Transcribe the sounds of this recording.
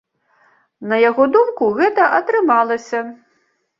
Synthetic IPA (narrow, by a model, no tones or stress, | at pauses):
nɐjaɣɔd̪umkuɣɛt̪ɐʔɐt̪ɾɨmalˠɐsʲɐ